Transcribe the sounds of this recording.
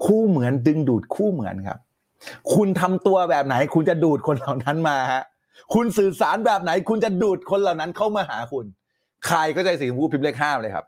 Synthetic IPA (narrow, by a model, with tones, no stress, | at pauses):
kʰuː˥˩mɯ˩˦əndɯ˧ŋduː˨˩t̪̚kʰuː˥˩mɯ˩˦ənkʰa̰˦˥p̚ | kʰu˧nt̪ʰa˧mt̪u˧ɐbɛː˨˩p̚na˩˦jkʰu˧nt͡ɕa˨˩duː˨˩t̪̚kʰo˧nla˨˩wna˦˥nmaː˧ha˦˥ʔ | kʰu˧nsɯː˨˩saː˩˦nbɛː˨˩p̚na˩˦jkʰu˧nt͡ɕa˨˩duː˨˩t̪̚kʰo˧nlaː˨˩wna˦˥nkʰa˥˩wmaː˧ɦaː˩˦kʰu˧n | kʰɾa˧jkʰaː˥˩t͡ɕa˧jsi˨˩kɔ˨˦pʰuː˥˩pʰi˦˥p̚le˥˩k̚ɦaː˥˩mlːjkʰa̰˦˥p̚